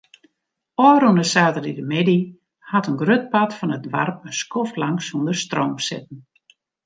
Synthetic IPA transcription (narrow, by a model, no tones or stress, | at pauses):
ɔːɾunəsaːtəridəmɪdi | hatənɡrøt̚patfɔnətʋarpəskɔftlaŋsundərstroːmsɪ̰t̚n̩